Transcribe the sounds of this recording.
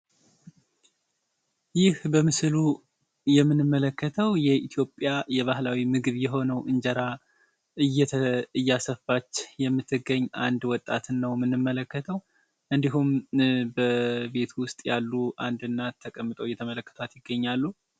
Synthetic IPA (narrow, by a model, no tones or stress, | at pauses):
jɪhbəmɨslu | jɛmːɨnɨmːələkːət̪ʰəwjɛʔit̪ʰjo̞pʼjajɛβahlawimɨɡɨβjɛɦo̞nəwʔɨɲd͡ʒəɾa | ɨjːɛɨjːasəfat͡ʃːjɛmːɨt̪ʰːɨɡəɲːʔand̪wɔt̪ʼːat̪nːəwmɨnːɨmːələkːət̪ʰəw | ʔɨnd̪iɦumbəbe̞t̪ʰwʊst̪ʼjalːuʔa̰nd̪ɨnːat̪ʰːəkʼəmːɨt̪ʼəwjːɛt̪ʰəmələkːə̥t̪ʰat̪jɪɡːəɲːalːu